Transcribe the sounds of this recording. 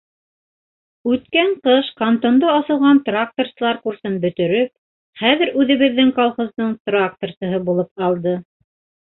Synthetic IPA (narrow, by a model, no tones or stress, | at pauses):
ʉt̪kæɴqɤʃkant̪ond̪ɤɑsɤ̆lˠʁɑnt̪rak̚t̪orsɤ̆lˠɑɾkursɤnbɵ̆t̪ɵ̆ɾɵp̚ | χæðɘ̆ɾʉðɘ̆βɘ̆ðːɘŋkolˠχozd̪ɤɴt̪rak̚t̪orsɤ̆ɦɤbulˠɤp̚qɑlˠd̪ɤ